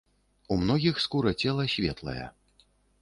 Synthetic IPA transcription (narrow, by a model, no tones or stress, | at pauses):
umnɔɣʲixskuɾɐt͡sʲɛlˠɐsʲvʲɛt̪lˠɐ̰jɛ̰